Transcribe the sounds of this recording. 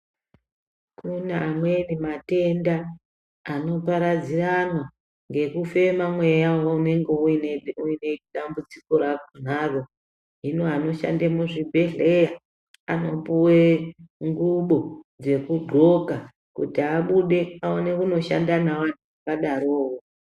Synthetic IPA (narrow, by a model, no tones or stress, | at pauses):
kunaːmwenimate̞ndaː | no̞paɾad͡ziranwa | ŋɡe̞kufe̞mamwe̞jawoune̞ŋɡeuinuine̞ɗambut͡si̥ko̞ɾak̚on̤aːro̞ | ɦinuano̞ʃa̰ndemuʐibʱe̞ɮeja | ano̞puweŋɡuɓo̞d͡ze̞kuɡ͡ǃʱo̞ka | kṵtiaɓuɗe̞aone̞kuno̞ʃa̰ndanawan̤uakaɗaɾoːwo